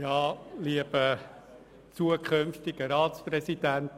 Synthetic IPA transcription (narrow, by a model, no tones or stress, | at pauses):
jɑːliəb̥ə | t͡suəkʰønftɪɡ̥əɾɑːtsprɛsid̥ænt